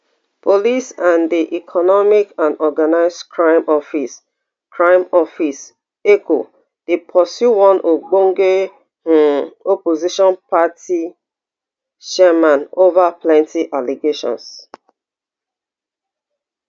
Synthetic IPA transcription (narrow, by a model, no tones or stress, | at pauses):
pʰolisãndiʔikʰɔnɔmikãnɔɡanaɪsdkʰɹãɪ̃mʔɔfis | kɹãɪ̃mɔfis | ekʰo̰ | d̥epʰɔsjuwɔ̃nʔoɡ͡bõŋɡe | opoziʃɔ̃npati | ʃɛmãnovaplɛ̃ntiʔaliɡeʃɔ̰̃ns